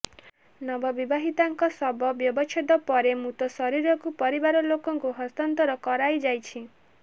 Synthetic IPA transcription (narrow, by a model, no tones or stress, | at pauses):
nɔbɔbibaɦit̪aŋkɔsɔbɔbjɔbɔt͡ʃʰed̪ɔpɔɾemũt̪ɔsɔɾiɾɔkupɔɾibaɾɔlokɔŋkuɦɔst̪ɔnt̪ɔɾɔkɔɾajd͡ʒajt͡ʃʰi